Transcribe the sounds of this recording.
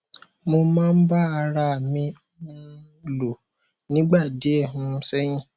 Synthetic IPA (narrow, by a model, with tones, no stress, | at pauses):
mo˧mãː˦n̩˦ba˦a˧ɾa˧˨mĩ˧ɔ˦nã˧ | lo˨ | nĩ˦ɡ͡ba˦˨de˨˦ɛ˦˨ɦũ˧˦˧sɛ˦j̃ĩ˦